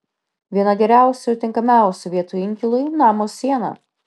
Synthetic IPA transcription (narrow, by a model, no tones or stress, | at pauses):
ʋʲiɛnɐɡʲɛɾʲæˑʊsʲʊɪɾt̪ʲɪŋkɐmʲæˑʊsʲʊʋʲiɛt̪ʊɪŋʲkʲɪlˠʊjnɑːmoːsʲːiɛnɐ̰